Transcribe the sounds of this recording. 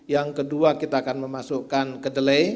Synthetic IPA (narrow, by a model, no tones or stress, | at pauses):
jaŋkəduakit̪aːkanməmasuʔkankədəle